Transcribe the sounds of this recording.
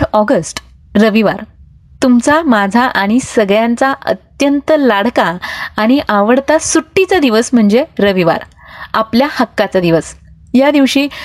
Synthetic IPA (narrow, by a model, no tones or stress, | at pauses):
ɔɡəsʈ | ɾəʋiʋaɾ | t̪umt͡samad͡zʱaʔaɽ̃isəɡɭjãnt͡saʔə̰t̪jənt̪əlaɽkaːɽ̃iʔaʋəɽt̪asuʈːit͡sad̪iʋəsm̤əɳd͡zeɾəʋiʋa̰ɾ | apljahəkːat͡sad̪iʋəs | jad̪iʋɕiː